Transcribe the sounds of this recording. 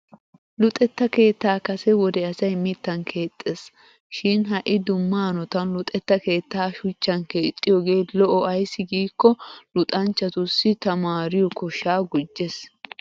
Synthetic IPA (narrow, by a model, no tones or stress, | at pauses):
lʊt̪ʼɛt̪ːɐke̞ːt̪ːaːkɐsɛwɔd̪ɛɐsɐjmɪt̪ːɐnkʰe̞ːt̪ʼːes | ʃɪnɦɐʔɪd̪ʊmːaːnɔt̪ɐnlʊt̪ʼɛt̪ːɐke̞ːt̪ːaːʃʊt͡ʃːɐnke̞ːt̪ʼːɪjɔɡe̞ːlɔʔɔɐjsːɪɡiːkːɔlʊt̪ʼɐnt͡ʃːɐt̪ʊsːɪt̪ɐmaːɾɪjɔkɔʃaːɡʊd͡ʒːes